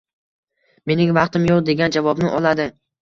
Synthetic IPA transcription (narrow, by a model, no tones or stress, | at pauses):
me̞nɪŋvɑqt̪ɪmjoqd̪e̞ɡʲand͡ʒavɒbnɪʔɒlˠad̪ɪ